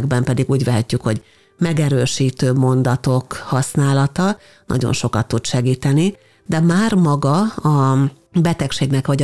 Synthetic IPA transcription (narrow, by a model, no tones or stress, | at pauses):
ɡ̚bɛmpɛd̪iɡuːɟʋɛɦɛcːykho̞̰ɟ | mɛɡɛɾøːʃiːt̪øːmo̞nd̪ɒt̪o̞khɒsnaːlɒt̪ɒ | nʔɒ̰ɟo̰nʃo̞kɒt̪ːut̪ʃɛɡiːt̪ɛni | d̪ɛmaːrmɒɡɒɒ | bɛt̪ɛkʃeːɡnɛkʋɒɟ